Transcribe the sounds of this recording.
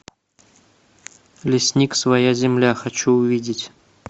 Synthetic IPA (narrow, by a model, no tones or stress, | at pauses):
lʲɪsʲnʲiksvɐjazʲɪmlʲaxɐt͡ɕuʊvʲidʲɪtʲ